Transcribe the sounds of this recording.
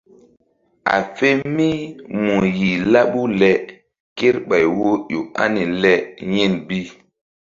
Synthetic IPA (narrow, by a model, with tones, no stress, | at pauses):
a̰˨fe˦mi˦mu˨ji˨la˦ɓu˦lɛ˨ | ke˦ɾɓa˨jwo˦jo̰˨a̰˦ni˨lɛ˦je˦˨nbi˦